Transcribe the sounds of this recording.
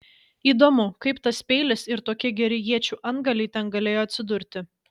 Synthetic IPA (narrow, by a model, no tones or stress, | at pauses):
iːd̪oːmʊkɐɪpt̪ɐspʲɛɪlʲɪsɪɾt̪oːkʲɪɡʲɛɾʲɪjiɛt͡ʃʲuːʔɐnɡɐlʲɛɪt̪ʲɛnɡɐlʲeːjoːɐt̪ʲsʲɪd̪ʊɾʲt̪ʲɪ